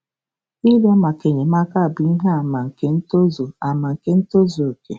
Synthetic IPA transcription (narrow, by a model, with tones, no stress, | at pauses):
i˦la˦ma˨ke˨ɲe˨ma˦ka˦a˨bi˨n̩˦ɦa˦a˨ma˨ŋ̩˨ke˦n̩˦to˦zo˨a˨ma˨ŋ̩˨ke˦n̩˦to˦zo˨ke˨